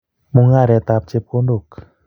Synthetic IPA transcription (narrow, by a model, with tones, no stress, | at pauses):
mu˧˨ŋa˧˨ɾɛ˧˨t̪a˧˨p̚t͡ɕe˧˦p̚ko˧˦ndu˧˨k̚